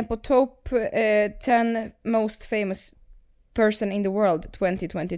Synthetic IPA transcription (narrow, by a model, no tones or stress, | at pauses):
pɔt̪ʰɔp | t̪ʰɛ̃nmoʊst̪feɪməs | pʰɛɹsə̃nɪ̃nðəwɜ˞ld̪t̪ʰwɛ̃nt̪ɪt̪ʰwɛ̃nt̪ɪ